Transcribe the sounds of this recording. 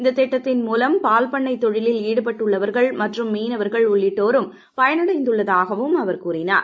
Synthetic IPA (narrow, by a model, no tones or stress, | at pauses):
ɪnd̪ɐt̪ːɛʈːɐt̪ːɪnmuːlɐmpaːlpɐɳːɐɪt̪ːɔɻɪlɪliːɽɯpɐʈːɯɭːɐʋɐɾɣɐɭmɐʈrɯmːiːnɐʋɐɾɣɐɭʊɭːɪʈːoːɾɯm | pɐjɐnɯɽɐɪnd̪ɯɭːɐðaːɣɐʋɯmɐʋɐɾkuːrɪna̰ːɾ